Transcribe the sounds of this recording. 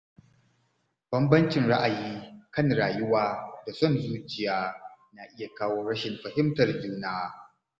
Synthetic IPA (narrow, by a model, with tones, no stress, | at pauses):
b̥ɐ˦mbɐ˦nt͡ʃɪ˨nɽa˦ʔa˨jiː˦kɐ˦˨ŋɽaː˨jʊ˦waː˦da˨sɔ˦˨nzuː˦t͡ʃɪ˨jaː˦na˨ʔɪ˦ja˨kaː˦woː˦ɽɐ˦ʃɪ˨mɸɐ˨hɪ˦mtɐ˨rd͡ʒuː˦naː˦